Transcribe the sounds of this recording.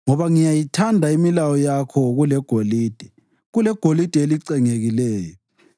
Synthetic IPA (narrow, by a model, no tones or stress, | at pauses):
ŋɔβaŋijajitʰandʱaimilawɔjakʰɔɣulɛɡ̥ʱoliːd̥ʱɛ̥ | ɣulɛɡ̥ʱolid̥ʱɛeliǀɛŋeɣilɛːjɔ